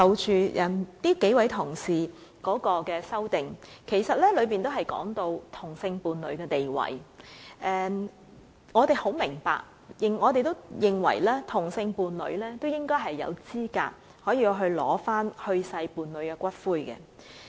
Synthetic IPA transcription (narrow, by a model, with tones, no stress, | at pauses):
sɐ˨˧wt͡ʃyː˧ʔɐ˨˩nt̪iː˥ke˨˥jwɐ˨˧˥jt̪ʰʊ˨˩ŋsiː˨ | kɔː˨˥kɔː˧kɛː˧sɐ˥wt̪ɪ˨˩ŋkʰe˨˩jsɐ˨t̚lɛː˥lɵ˨˧piː˨nt̪o˥wɦɐ˨jkɔ̰ː˨˥ŋt̪o˧wt̪ʰʊ˨˩ŋsɪ˧ŋpuː˨nlɵ̰˨˧ɥkɛː˧t̪e˨jwɐ̰˨˩jʔɛː˧ | ŋɔː˨˧t̪e˨jho˨˥wmɪ˨˩ŋpa̰ː˨k̚ | jɪ˨ŋŋɔː˨˧t̪e˨jt̪o˥wjɪ˨ŋwɐ̰˨˩jlɛː˥t̪ʰʊ˨˩ŋsɪ˧ŋpuː˨˧nlɵ̰˨˧ɥlɛː˥t̪o˥wjɪ˥ŋkɔː˥jɦɐ˨jːɐ̰˨˧wt͡siː˥ka̰ː˧t̚ | hɔː˨˥jiː˧wɦɵ˧ɥlɔ̰ː˨˥faː˥nhɵ˧ɥsɐ˧jpuː˨˧nlɵ˨˧ɥkɛː˧kʷɐ˥t̚fuː˥jkɛ̰˧